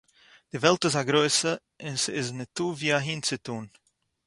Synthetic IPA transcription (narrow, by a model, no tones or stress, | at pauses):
d̥ɪvɛlˠtɪzaɡɾoɪsə | ɪnsɪɪznɪtːuːviːaɦiːnt͡sɪtuːn